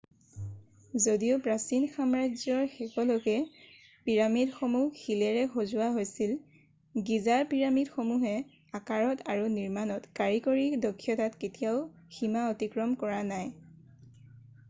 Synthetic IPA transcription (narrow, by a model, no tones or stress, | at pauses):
zodiopɹasinxamɹazɔɹxɛkɔlokɛ | piɹamidxomuxilɛɹɛxozʊwaɦojsil | ɡizaɹpiɹamidxomuɦɛ | akaɹɔtʰaɹuniɹmanɔtkaɹikoɹidɔkʰːjɔtatketijaʊ | ximaotikɹɔmkɔɹanaj